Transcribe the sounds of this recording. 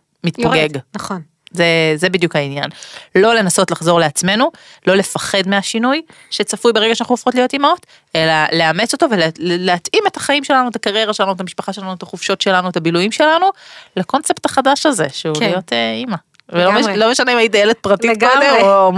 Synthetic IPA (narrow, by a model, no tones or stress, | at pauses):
mitpoɡeɡnaon | zezebid̪jukhainja̰nlo̞le̞naso̞tlaχzo̞ʁle̞at͡sme̞nulo̞le̞faχe̞d̪meaʃinuj | ʃet͡safujbeʁe̞ɡaʃeanaχnuafχotlijo̞timaot | e̞lale̞ame̞t͡so̞to̞velleatime̞tḁχaimʃe̞lanuetakaʁje̞ʁaʃe̞lanuet̪̬amiʃpaχaʃe̞lanuet̪aχufʃotʃe̞lanuetabilujimʃe̞lanulako̞nse̞ptaχadaʃaze̞ʃeulijo̞teima | velomelome̞ʃaneimaid̪ajelet̚pʁatikde